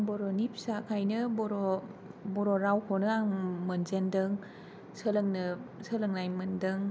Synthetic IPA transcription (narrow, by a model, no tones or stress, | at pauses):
ŋbɔɾɔnip̚sakʰajnɯbɔɾɔbɔɾɔɾawkʰɔnɯaŋmɯnzendɯŋ | sɯlɯŋnɯsəlɯŋnajmɯndɯŋ